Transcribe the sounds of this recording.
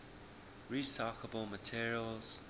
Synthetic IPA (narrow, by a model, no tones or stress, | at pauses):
ɹisakʰəbəlˠmətʰiɹiəlˠz̥